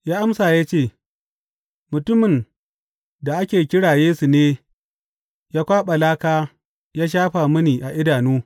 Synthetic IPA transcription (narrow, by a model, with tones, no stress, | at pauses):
jaː˦ʔa˦msaː˨jaː˦t͡ʃeː˦˨ | mʊ˨tʊ˦mɪ˨n | da˨ʔa˦kʲeː˨kʲɪ˦ɽaː˨jeː˦su˨neː˦ | jaː˦kʷaː˦ɓa˨laː˦kaː˦ | jaː˦ʃ̬aː˦ɸa˨mɐ˦niː˨ʔa˨ʔɪ˦daː˨nuː˦